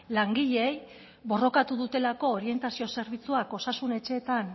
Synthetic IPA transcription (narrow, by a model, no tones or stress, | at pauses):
laŋɡiʎe̞j | βo̞ro̞kat̪uðut̪e̞lako̞ːɾie̞nt̪asio̞se̞ɾβit͡suako̞sasune̞t͡ʃe̞ːt̪an